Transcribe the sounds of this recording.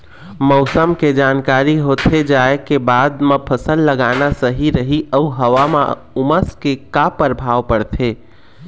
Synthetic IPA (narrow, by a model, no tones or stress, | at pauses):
mɔʊsəmked͡ʒaːnkaːɾiɦot̪ʰed͡ʒaekebaːd̪mepʰəsəlːəɡanasəɦiɾəɦiʔəuɦəʋamã̰ | uməskekapəɾbʱaːʋpəɽt̪ʰe